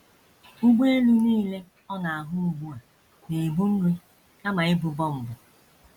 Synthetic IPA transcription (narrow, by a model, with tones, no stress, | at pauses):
u˦ɡ͡be˦e˦lu˦niː˦le˦ | ɔ˦na˨a˨ɦʊ˦u˨˦ɡ͡bu˦a˨ | ne˨bu˦n̩˦ɾi˦ | ka˦ma˨ɪ˦bʊ˨bɔ˦m̩˨bʊ˨